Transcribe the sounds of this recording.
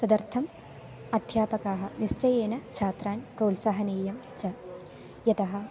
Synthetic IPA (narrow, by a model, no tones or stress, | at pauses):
sɐd̪ɐɾt̪ʰɐm | ɐd̪ʱjaːpɐkaːɦɐ̆nist͡ʃɐjeːnɐt͡ʃʰaːt̪ɾaːnpɾoːlsɐɦɐniːjɐm | t͡ʃɐ | jɐt̪ɐɦɐ̆